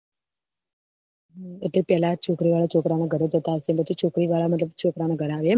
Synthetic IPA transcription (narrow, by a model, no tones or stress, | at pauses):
eʈlepɛɦlat͡ʃʰokɾiʋaɭat͡ʃʰokɾanaɡʱəɾed͡ʒət̪aəsepət͡ʃʰit͡ʃʰokɾiʋaɭamət̪ləb̚t͡ʃʰokɾanaɡʱəɾaːʋe